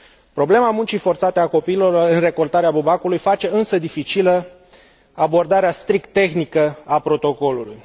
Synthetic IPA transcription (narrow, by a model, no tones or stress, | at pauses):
pɾo̞ble̞mamunt͡ʃifo̞rt̪sat̪eako̞piːlo̞loɨnre̞ko̞lt̪aɾeabubakulujfat͡ʃe̞ɨnsəd̪ifit͡ʃilə | abo̞rd̪aɾeast̪ɾik̚t̪ːe̞xnikəapɾo̞t̪o̞ko̞lulṵj